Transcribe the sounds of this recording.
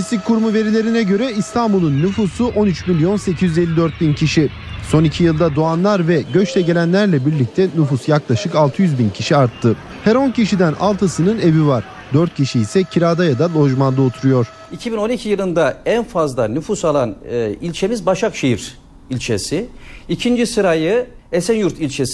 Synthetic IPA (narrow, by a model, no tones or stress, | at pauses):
ist̪ickʰːuɾmuve̞ɾilʲe̞ɾinɛɟø̞ɾɛist̪ʰanbulˠunːyfuːsuʔo̞nyt͡ʃmilʲjo̞nse̞cʰizjyze̞lʲːid̪øɾt̪̚bincʰiʃi | so̞nicʰijɯlˠd̪ad̪oanlˠaɾvɛɟø̞t͡ʃt̪ʰɛɟe̞lʲænlʲæɾlʲɛbiɾlʲic̚t̪ʰɛnyfusjaklˠaʃɯkalˠt̪ʰɯjyzbincʰiʃiaɾt̪ʰːɯ | hæɾoncʰiʃid̪ænʔa̰lˠt̪ʰasɯnɯne̞vivaɾ̥ | d̪øɾt̪̚cʰiʃiːsɛcʰiɾaːd̪ajad̪alʲˠo̞ʒmand̪aot̪ʰuɾujo̞ɾ̥ | icʰibino̞nicʰijɯlˠɯnd̪aænfazlˠanyfusalˠanilʲt͡ʃʰe̞mizbaʃakʃejiɾ | ilʲt͡ʃʰḛsɪicʰind͡ʒisɯɾajɯesænjuɾt̪ʰilʲt͡ʃʰes